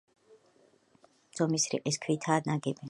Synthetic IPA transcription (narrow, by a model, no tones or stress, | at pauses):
z̥ɔmisɾḭqʼiskʰwit̪ʰaːd̪naɡɛbɛ